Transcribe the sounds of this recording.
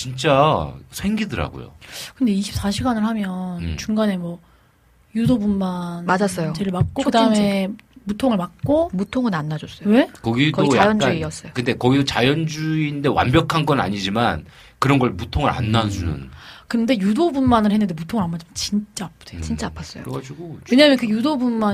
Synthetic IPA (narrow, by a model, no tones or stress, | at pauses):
t͡ɕint͡ɕ͈asʰwe̞ŋɡidɯɾa̰ɡo̰jo̰kɯnde̞iɕʰips͈aɕʰiɡanɯɭhamjʌnt͡ɕuŋɡane̞mwʌ | judobunmanmad͡ʑas͈ʌjot͡ɕeɾiɭmak̚k͈okɯdaɯme̞mutʰoŋɯɭmak̚k͈omutʰoŋɯnanːad͡ʑos͈ʌjwe̞kʌɡidkoɡijaajʌnd͡ʑk͈aniʌs͈ʌjokɯnde̞kʌɡidot͡ɕajʌnd͡ʑuinde̞wa̰nbjʌkʰanɡʌna̰ɲid͡ʑima̰n | kɯɾʌnɡʌɭmutʰoŋɯɾa̰nːad͡ʑunɯ̰nkɯnde̞judobunmanɯɭhe̞nːɯndemutʰoŋɯɭamad͡ʑimjʌt͡ɕint͡ɕ͈aːp̚ʰd̥ʰet͡ɕint͡ɕ͈apʰas͈ʌad͡ʑiɡowe̞ɲamjʌnkɯjudobunma